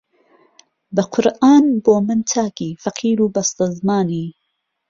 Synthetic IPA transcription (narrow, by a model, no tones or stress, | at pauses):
bɐqʰʊɾʔaːnboːmɨntʰaːkiːfɐqʰiːɾuːbɐst̪ɐzmaːniː